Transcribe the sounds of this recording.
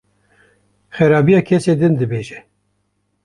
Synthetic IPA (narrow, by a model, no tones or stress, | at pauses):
xɛɾɑːbijɑːkʰɛseːd̪ɨnd̪ɨbeːʒɛ